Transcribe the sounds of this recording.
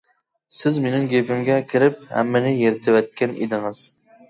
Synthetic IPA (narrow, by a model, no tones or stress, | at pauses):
sɪzmenɪŋɡʲepɪmɡʲɛkʲʰɪɾɪp̚hɛ̰mːɪnɪjeɾɪt̪ʰɪwɛt̪̚kʲɛnḛd̪ɪŋɨz̥